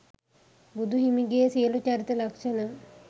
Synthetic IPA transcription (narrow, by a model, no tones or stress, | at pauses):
bud̪ʱuɦimiɡejːsijəlut͡ʃaɾit̪əlɐkʂəna